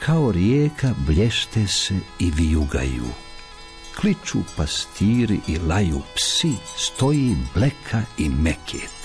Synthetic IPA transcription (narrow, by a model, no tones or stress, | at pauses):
kʰaoɾjeːkʰabʎʲeʃt̪eseiʋijuɡa̰jṵː | klit͡ʃupast̪ʰiːɾiʔilajuːpsist̪o̞jiːblekʰaimekʰḛːt̪